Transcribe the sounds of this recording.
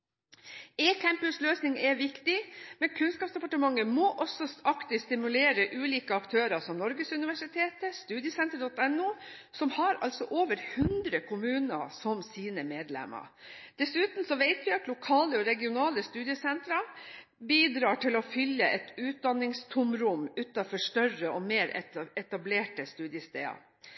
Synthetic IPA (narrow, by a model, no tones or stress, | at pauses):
eːkʰæmpʉsløːsnɪŋɛʋɪkt̪ɪmɛnkʰʉnskɑːpsd̪ɛpɑʈəmɑŋːəmɔʔɔsɔɑkt̪ɪst̪ɪmʉleːɾəʔʉːliːkəɑkt̪ʰøːɾɑsɔmnɔɾɡəsʉnɪʋæʂɪt̪ʰeːt̪əst̪ʉːd̪ɪəsɛnt̪əɾd̪ɔt̪ɛnːuː | sɔmhɑɾɑ̰lsɔʔoːʋəɾhʉnd̪ɾəkʰʊmʉːnə̰sɔmsiːnəmeːd̪lɛ̰mə̰ | d̪̥ɛsʉːt̪n̩sɔʋeɪt̪ʋɪɑt̪lʊkʰɑːləɔɾɛɡɪʊnɑːləst̪ʉːd̪ɪəsɛnt̪ɾɑ | biːd̪ɾɑːʈɪlɔfʏlːəʔɛt̪ʉːt̪̚d̪ɑnːɪŋst̪ʰʊmɾʊmʉːt̪ɑfɔʂʈœrəʔɔmeːɾɛ̰ɛt̪ɑbleːʈəst̪ʉːd̪ɪəst̪ḛːɑ̰